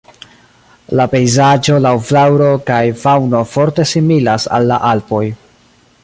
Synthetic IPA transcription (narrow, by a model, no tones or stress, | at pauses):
lape̞jzad͡ʒo̞lawflawɾo̞kajfawno̞fo̞ɾte̞similasa̰lːa̰ʔalpo̞j